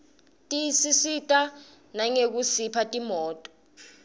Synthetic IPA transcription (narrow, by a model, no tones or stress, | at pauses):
tʼisisitʼa | naŋek̬usipʰatʼimɔːtʼɔ̥